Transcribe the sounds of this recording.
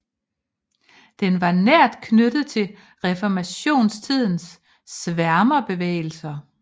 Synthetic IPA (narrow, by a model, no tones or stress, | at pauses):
d̥enʋɑ̈næɐ̰d̥kʰnød̥ð̩ˠt͡sʰe̝l | ʁɛfɒmæɕo̝̰ːnst͡sʰið̞̰ˠn̩sː | ʋæɐmɐb̥e̝ʋḛːɪl̩sɐ